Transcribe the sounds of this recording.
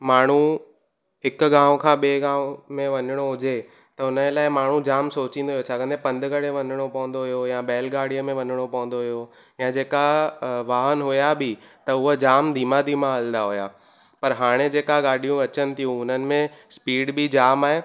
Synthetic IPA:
maːɳ̤ũ | ɦɪkɡãːʋõkʰãːɓeːɡãːʋ̃mẽʋɐɲɪɽ̃oɦʊd͡ʑe | t̪ɐʊnəlaːɪmaːɳ̤ũd͡ʑaːmsoːt͡ɕĩːnd̪oɦijot͡ɕʰaːkə̃nd̪epɐ̃nd̪ɡəɽeʋɐɲɪɽ̃opɐʋə̃nd̪oɦjojãbɛːlɡaːɽ̤ijəmẽʋɐɲɪɽ̃opɐʋə̃nd̪oɦijo | jãd͡ʑeːkaʋaːɦənɦʊjabɪ | t̪ɐʊɦəd͡ʑaːmd̪ʱiːmad̪ʱiːmãɐld̪aɦʊjaː | pɐɾɦaːɽ̃ed͡ʑeːkaɡaːɽʱijũʋɐt͡ɕənɪ̆t̪ʰijũʊn̤ənɪ̆mẽspiːɽbid͡ʑaːmaːɦeː

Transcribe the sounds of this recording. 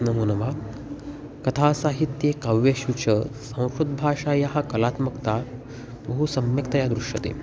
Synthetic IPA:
nɐmuːnɐʋa | kɐt̪ʰaːsaːɦit̪jekɐʋjeɕut͡ɕɐsɐ̃w̃ʃɾud̪̚bʱaːʂaːjaɦɐkɐlaːt̪mɐkt̪a | bɐɦusɐmjɐkt̪ɐjad̪ɾuʂjɐt̪ḛː

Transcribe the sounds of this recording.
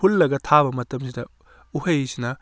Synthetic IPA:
ulːɐɡɐtʰabɐmɐtɐmsʰidɐ | uhɐjsinɐ

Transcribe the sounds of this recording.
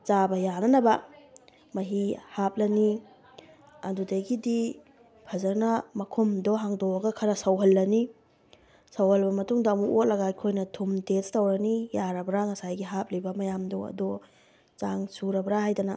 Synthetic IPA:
t͡ʃabɐjanɐnɐbɐ | mɐɦihap̚lɐni | ɐdudeɡidi | pʰɐzɐɾnɐmɐkʰumdɔɦaŋdɔɐɡɐkʰɐɾɐsɐwɦɐlːɐni | sɐwhɐlbɐmɐtuŋdɐmuʔot̚lɐɡakʰojnɐtʰumtestɐwɾɐnijaɾɐbɾaŋɐsajɡiɦap̚libɐmɐjamdɔɐ̰dɔ | t͡ʃaŋsuɾɐbɾahajdɐnɐ

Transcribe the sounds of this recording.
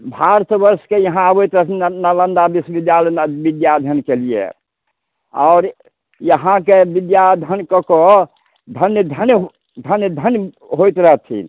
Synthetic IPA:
bʱaɾt̪ʰbəɾskejəɦãəbojt̪ɾəɦt̪ʰinələnd̪abisbid̪jalɛnbid̪jad̪ʱənkelijḛ | aːɾ | jəɦãkebid̪jad̪ʱənkəko | d̪ʱənjəd̪ʱənj | d̪ʱənjəd̪ʱənj | ɦojt̪ɾəɦət̪ʰḭn

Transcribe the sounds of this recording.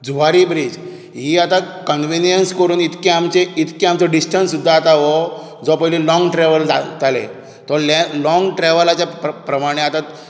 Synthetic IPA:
d͡zuʋaɾibɾiːd͡z | ɦiːat̪at̪kəɳʋinjənskəɾuːnit̪keamt͡ɕeit̪ʰkẽamt͡sɔɖisʈənsːud̪ʱːaːt̪aʋɔ | d͡zɔpəɦlilɔ̃ŋɡʈɾɛʋəld͡zat̪alḛ̃ | t̪ɔɾlelɔŋɡʈɾɛʋəlat͡ɕjapɾəmaɽ̃eat̪at̪

